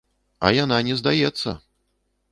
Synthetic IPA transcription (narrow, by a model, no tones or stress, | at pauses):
ɐ̰jan̪anʲɛzd̪ajɛt̪sːɐ̰